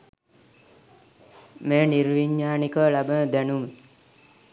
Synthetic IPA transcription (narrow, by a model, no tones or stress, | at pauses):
meːniɾʋiɲːaːnikəʋlabənəd̪ænumə